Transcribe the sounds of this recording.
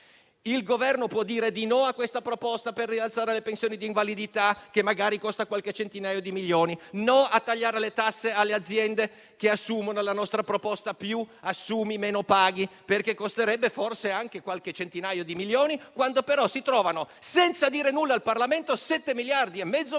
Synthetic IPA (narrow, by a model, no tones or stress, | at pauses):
ilɡovɛrnopwɔd̪ːiːɾed̪inɔakːwest̪apɾopɔst̪aperːialt̪saːɾelepensjoːnid̪iːɱvalid̪it̪ak̟emːaɡaːɾikost̪akwalket͡ʃent̪inaːjod̪imiljoːninoat̪ːaʎːaːɾelet̪asːealːead̪zːjɛnd̪e | k̟easːuːmonolanɔst̪ɾapɾopɔst̪apjuasːuːmimeːnopaːɡiperkekːost̪eɾɛbːeforseaŋkekwalk̟et͡ʃent̪inaːjod̪imiljoːnikwand̪opeɾɔsit̪ɾɔːvanosɛnt̪sad̪iːɾenulːaːlparlament̪osɛt̪ːemiljard̪iemːɛd̪zːo